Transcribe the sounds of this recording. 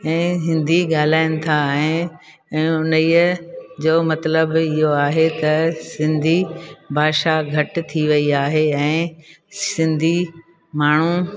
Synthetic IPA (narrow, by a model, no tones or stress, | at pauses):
ɛ̃ːɦɪ̃nd̪ʱiɠaːl̤aːɪnɪ̆t̪ʰaɛ̃ː | ɛ̃ːʊnəiːəd͡ʑoːmɐt̪ləbɪɦoaːɦet̪ɐsɪ̃nd̪ʱibʱaːʃaɡʱɐʈt̪ʰiʋɐiaːɦeɛ̃ːsɪ̃nd̪ʱi | maːɳ̤u